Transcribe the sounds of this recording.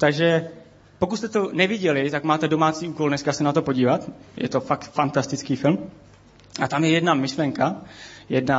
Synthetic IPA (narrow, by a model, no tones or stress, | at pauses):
t̪aɡʒɛ | po̞kut̪st̪ɛt̪o̞nɛvɪɟɛlɪt̪akmaːt̪ɛdo̞maːt͡siːʔuːkoldnɛskasɛnat̪o̞poɟiːvat̪jʔɛ̰t̪o̞fakt̪fant̪ast̪ɪt͡skiːfɪlm | ʔat̪amjɛjɛdnamɪʃlɛŋkajɛdna